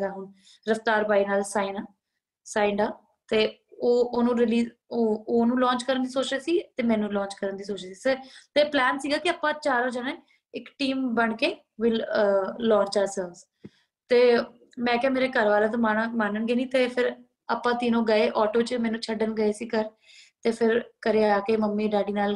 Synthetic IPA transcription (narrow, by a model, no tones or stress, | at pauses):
aːɦʊn | ɾəft̪aːɾpaːiːnaːlsaːinaː | saːɪɳɖaː | t̪eːoːoːnũːɾɪliːz | oːoːnũːlɔ̃ːɲt͡ʃkəɾənd̪iːsoːt͡ʃeːsiːt̪eːmɛ̃ːnũːlɔ̃ːɲt͡ʃkəɾənd̪iːsoːt͡ʃeːsiːsəɾt̪eːplɛːnsiːɡaːkɪaːpːãːt͡ʃaːɾaːd͡ʒaːnẽː | ɪkʈiːmbəɳkeː | ʋɪlː | ɔ̃ːɲt͡ʃaːɾsɛːlz | t̪eː | mɛ̃ːkɛ̃ːmeːɾeːkəɾʋaːlãːt̪̬amaːɳãːmaːnəɳɡeːnĩːt̪eːpʰɪɾ | aːpːãːt̪iːnõːɡəeːʔɔːʈoːt͡ʃəmɛ̃ːnũːt͡ʃʰəɖənɡəeːsiːkəɾ | t̪eːpʰɪɾkəɾeːaːkeːməmːiːɖaːɖiːnaːl